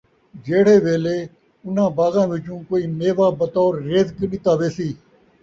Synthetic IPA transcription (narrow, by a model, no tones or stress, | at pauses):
d͡ʒeːɽ̤eːʋeːleː | ʊn̤ãːbaːzãːʋɪt͡ʃũːkoːiːmeːʋaːbət̪ɔːɾːeːzkəɗɪt̪aːʋeːsiː